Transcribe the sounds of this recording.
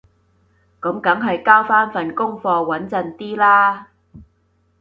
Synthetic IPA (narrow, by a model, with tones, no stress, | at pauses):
kə˨˥mkɐ˨˥ŋɦɐ˨jkaː˥wfaː˥nfɐ˨˩nkʊ˥ŋfɔː˧wɐ˨˥nt͡sɐ˨˧nt̪iː˥laː˥